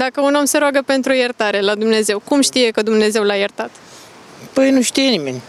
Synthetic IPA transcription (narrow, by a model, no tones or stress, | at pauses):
d̪akəuno̞mseɾoaɡəpe̞nt̪ɾujərt̪aɾe̞lad̪umne̞ze̞wkumʃt̪ije̞kəd̪umne̞ze̞wlajərt̪at̪ | pəjnuʃt̪ijenimḛnʲ